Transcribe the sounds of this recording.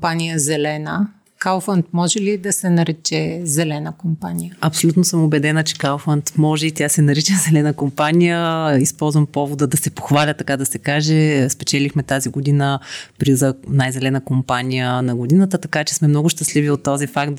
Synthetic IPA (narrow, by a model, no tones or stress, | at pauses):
panijəzɛlɛnə | kalwˠfənt̪̚mɔʒɛlid̪ɐsɛnɐɾɛt͡ʃɛzɛlɛnəkompanʲijəɐpsolʲut̪nosəmobɛd̪ɛnət͡ʃɛ̥kalˠfənt̪mɔʒɛit̪jasɛnɐɾit͡ʃəzɛlɛnəkompanijəispɔlˠzvɐmpɔvod̪əd̪ɐsɛpoxvalʲət̪ɐkad̪ɐsɛkaʒɛspɛt͡ʃɛlixmɛt̪aziɡod̪inəpɾizənajzɛlɛnəkompanʲijənɐɡod̪inət̪ət̪ɐkat͡ʃɛ̥smɛmnɔɡʊʃt̪əsliviot̪ːɔzifakt̪